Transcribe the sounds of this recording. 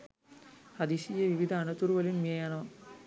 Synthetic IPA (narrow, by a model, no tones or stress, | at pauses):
ɐd̪iʃijɐʋiʋid̪ʱɐːnɐt̪uɾʋɐlinmɐjɐnɐ